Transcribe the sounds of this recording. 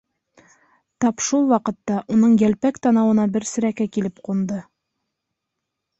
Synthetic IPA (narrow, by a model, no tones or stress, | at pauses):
t̪ɑpʃulˠwɑqɤ̆t̪ːɑʔunɤɴjælpækt̪ɑnɑwɤ̆nɑbɘɾsɘ̆ɾækækilɘpqund̪ɤ